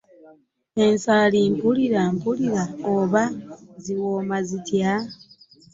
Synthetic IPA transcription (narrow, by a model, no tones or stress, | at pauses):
e̞nsaːliːmpuliɾampuliɾaoβaziwoːmazitja